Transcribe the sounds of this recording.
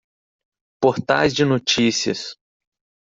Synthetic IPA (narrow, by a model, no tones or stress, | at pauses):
poɾt̪a̰jzd͡ʒɪnot͡ʃisiɐ̰s